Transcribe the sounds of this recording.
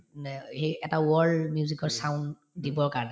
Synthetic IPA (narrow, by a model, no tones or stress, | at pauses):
hejɛtawɔɹmijuzikɔɹsaʊn | dibɔɹkaɹɔnɛ